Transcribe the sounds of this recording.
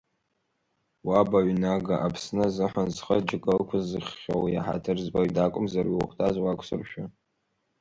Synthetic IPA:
wabaɥnaɡaʔapʰsnɨzɨħanzχəd͡ʒɪkʼəlkʷʰʊzɨχːʲo̰wja̰ħa̰tʰɨrzbaɥdakʷʼʊmzarɥiwʊχʷtʰazwakʷʰsɨrʃᶣa

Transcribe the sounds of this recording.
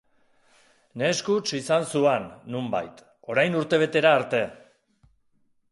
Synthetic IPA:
ne̞skut͡ʃisansuenːumba̰jt̪ | o̞ɾajnuɾt̪e̞β̞e̞t̪e̞ɾaːɾt̪e̞

